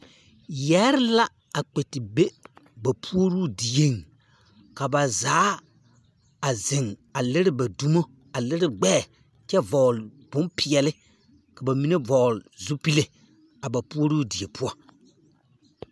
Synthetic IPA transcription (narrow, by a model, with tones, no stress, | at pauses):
jɛ˦ɾɪ˦la˦ | a˨k͡pe˨tɪ˨be˦ba˨pʰu˦o˦ɾuː˦di˨je˦ŋ | ka˨ba˨zaː˨˦ | a˨zɪ˨ŋa˨lɪ˦ɾɪ˦ba˨du˨˦mo˦ | a˨lɪ˦ɾɪ˦ɡ͡bɛː˦˨ | t͡ʃɛ˦vɔ˨lbʊ̃˦npʰɪ˨ɛ˨lɪ˦ | ka˨ba˨mi˦ne˦vɔ˨lɪ˨zu˦pi˦le˨ | a˨ba˨pu˦o˦ɾu˦di˨e˨pʰʊ˦ɔ˦